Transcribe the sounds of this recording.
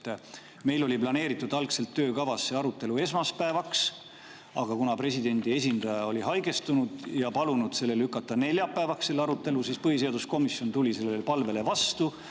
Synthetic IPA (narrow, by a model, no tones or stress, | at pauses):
me̞jlo̞lʲiplɑne̞ːɾit̪ːˑud̪ɑlkse̞lt̪ːøːkɑvɑsːe̞ɑɾut̪ːˑe̞lue̞smɑspæevɑks | ɑ̰ɡ̥ɑkunɑpre̞sʲid̪̥e̞nd̪̥ie̞s̬ʲind̪̥ɑjɑo̞lʲiɦɑjɡ̥e̞st̪unud̪̥jɑpɑlunud̪̥se̞lːe̞lykːˑɑt̪ːˑɑne̞lʲjɑpːˑæevɑksse̞lːeɑɾut̪ːˑe̞lusiːspɤhis̬eɑd̪̥usko̞misjo̞nt̪ulʲise̞lːelpɑlve̞le̞vɑst̪u